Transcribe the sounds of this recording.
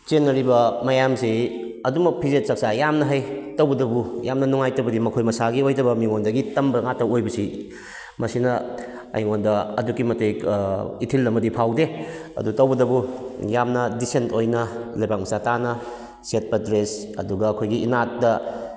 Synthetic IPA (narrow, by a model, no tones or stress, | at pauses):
t͡ʃenːɐɾibɐmɐjamsi | ɐdumɐk̚pʰizet̚sɐk̚sajamnɐɦajtɐwbɐdɐbujamnɐnuŋajtɐbɐdimɐkʰojmɐsaɡiojtɐbɐmiŋondɐɡitɐmbɐŋatɐojbɐsi | mɐsinɐ | ɐ̰jŋondɐɐ̰dukːimɐtejkitʰilːɐmɐdipʰawdeɐ̰dutɐwbɐdɐbujamnɐdisentʰojnɐlɐjbak̚mɐsatanɐ | set̚pɐdɾes | ɐ̰duɡɐːkʰojɡiʔinat̚dɐ